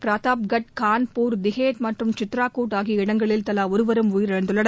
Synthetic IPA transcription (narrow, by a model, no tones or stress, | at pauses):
pɾaːt̪aːpɡɐʈ̚kaːnpuːɾd̪ɪɣeːt̪mɐʈrɯmt͡ʃɪt̪ɾaːkuːʈaːɣiɪɽɐŋɡɐɭɪlt̪ɐlaːɔɾɯʋɐɾɯmʊjɪɾɐɾɐnd̪ɯɭːɐɽɐ